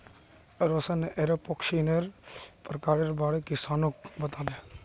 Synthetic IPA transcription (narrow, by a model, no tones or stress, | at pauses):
ɾosaneʔeɾepokʃiːneɾpɾkaːɾeɾbaːɽekɪsaːnok̚bɐt̪aːd̪e